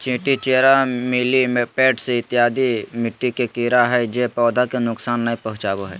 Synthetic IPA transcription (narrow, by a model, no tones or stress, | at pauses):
t͡ʃĩːʈit͡ʃeːɾamɪlimpeːʈseɪt̪ɪjaːd̪imɪʈːikekiːɾaɦɛd͡ʒepɔːd̪ʱakenʊksaːnːaĩpɐɦʊ̃t͡ʃaːʋoɦɛ̰ː